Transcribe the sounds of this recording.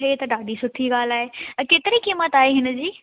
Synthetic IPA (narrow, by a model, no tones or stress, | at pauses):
et̪ɐɖaːɖisʊʈʰiɡaːl̤aːɦeɐkeːt̪ɪɾikiːmət̪aːɦeɦɪnə̆d͡ʑiː